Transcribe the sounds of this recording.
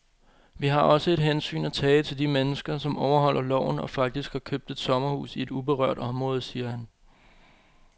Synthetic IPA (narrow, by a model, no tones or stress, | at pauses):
ʋiɦɑ̈ɒ̽səe̝d̥ɦensy̰ːnæt͡sʰɛːət͡sʰe̝ld̥imenəsɡ̥ɐsɒ̽mʔɒʊɐɦɒ̽l̰ʔɐlɒ̰ʊ̰n̩ɒ̽fɑ̈ɡ̥̚d̥isɡ̥hɑ̈kʰøb̥̚d̥e̝d̥sɒ̽mɐhṵːsie̝d̥ub̥e̝ʁœ̰ɐ̰d̥ɒ̽mʁɔ̽ːð̞̩ˠsiːɐhæn